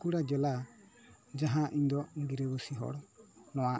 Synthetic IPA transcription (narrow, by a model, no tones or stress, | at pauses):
kuɽad͡ʒɛla | d͡ʒaɦãʔiɲd̪ɔɡiɾɛbɔsiɦɔ̰ɽnɔwa